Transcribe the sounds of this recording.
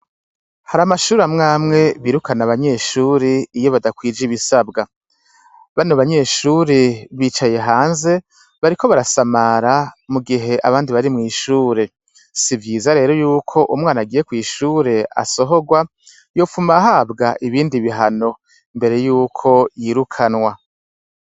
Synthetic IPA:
haɾamaʃuːɾamŋaːmŋe̞βiːɾukanaβaɲe̞ʃuːɾeijo̞βadakwiːd͡ʒiβisabɡa | βanoβaɲe̞ːʃuːɾeβiːt͡ʃaje̞ɦaːnze̞ | βaɾikʰo̞βaɾasamaɾamuɡiɦe̞ʔaβaːndiβaɾimŋiːʃuːɾe̞ | sivjiːzaɾe̞ːɾo̞juːkʰo̞ʔumŋaːnaɡiːje̞kwiːʃuːɾe̞a̰so̞ɦo̞ɡwa | jo̞ːfumaɦaːbɡaʔiβiːndiβiɦano̞ | imbe̞ɾe̞juːkʰo̞jiːɾukʰanwa

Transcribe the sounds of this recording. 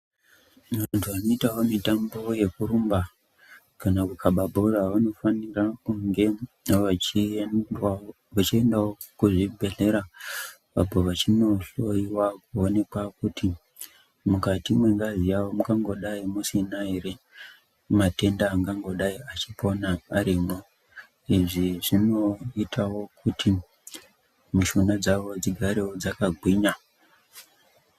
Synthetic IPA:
antʰuano̞itawo̞mitambo̞je̞kuɾumba | kanakukʰaɓabʱo̞raʋano̞fanirakuŋɡe̞ | ʋat͡ʃia | ʋat͡ʃie̞ndawokuʐibʱe̞ɮe̞ɾa | ʋa̰bʱoʋat͡ʃino̞ɬo̞iwakuone̞kwakuti | mukatimweŋɡazijawomukaŋɡo̞ɗaimusinaere | mate̞ndaːŋɡaŋɡo̞ɗaiat͡ʃipo̞naːɾimo | iʐiʐino̞itʰawo̞kʰutʰi | muʃunad͡zaʋo̞d͡ziɡʱaɾewod͡zakaɡʱwiɲa

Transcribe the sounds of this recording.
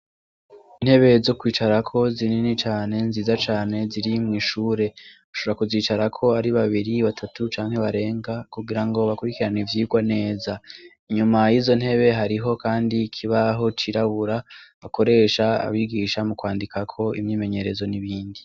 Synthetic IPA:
in̥he̞βe̞zokwiːt͡ʃaɾakʰo̞zininit͡ʃaːne̞nziːzat͡ʃaːne̞ziɾimŋiːʃuːɾe̞ | uʃo̞oɾakuziːt͡ʃaɾakʰo̞aɾiβaβiɾiβatʰatut͡ʃaːŋ̥he̞βaɾe̞ːŋɡakuɡiɾaŋɡo̞βakuɾikiɾanivjiːɡwane̞ːza | iɲumajiːzo̞n̥he̞βe̞ɦaɾiɦo̞kaːndikʰiβaɦo̞t͡ʃiɾaβuɾaβako̞ɾe̞ʃaa̰βiɡiʃamukwaːndikakʰo̞imɲiːme̞ɲe̞ɾe̞zo̞niβiːndi

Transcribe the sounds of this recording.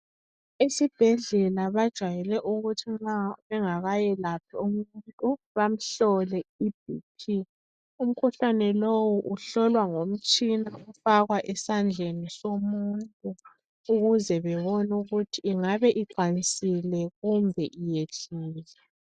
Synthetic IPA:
esib̥ʱɛɮɛlaβad̥ʒ̥ʱwajɛlɛʔuɣutʰiŋ͡ǁaβɛŋaɣajɛlapʰiumunntʼu | βam̩ɬɔlɛib̥̚ʱipʰi | um̩kʰuɬanɛlowuʔuɬɔlwaŋom̩t͡ʃʼinaufaɣwaʔɛsand͡ɮʱenisomuntʼu | uɣuzɛβɛβɔnuɣutʰiːŋaβɛʔiǃanisilɛɣumbʱɛʔijeɮuːzɛ

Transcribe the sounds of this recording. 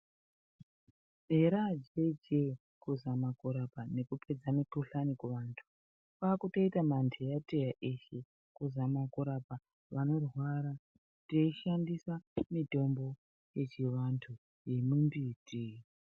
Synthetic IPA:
eɾad͡ʒe̞d͡ʒe | kuzamakuɾapane̞kupʰe̞d͡zamikuɬanikuʋantʰu̥ | kakuto̞itamandʰʱejatʼejaʔeʃe̞ | kuzamakuɾaba | ʋano̞rwaɾa | teiʃandisamidʱo̞mbo̞ | je̞t͡ʃiʋantʰu | je̞mumbiti

